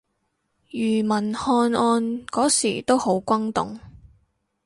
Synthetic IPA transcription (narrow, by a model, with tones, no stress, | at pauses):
jyː˨˩mɐ˨˩nhɔː˧nɔː˧nkɔː˨˥sḭː˨˩t̪o˥who˨˥wkʷɐ˥ŋt̪ʊ̰˨ŋ